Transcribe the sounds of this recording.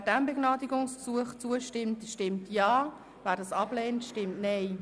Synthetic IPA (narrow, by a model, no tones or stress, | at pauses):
d̥æmbəɡ̥nɑːdiɡʊŋsksuəχt͡suəʃtɪmtʃtɪmtjɑː | væːɾdɑsɑbleːntʃtɪmtnɛɪ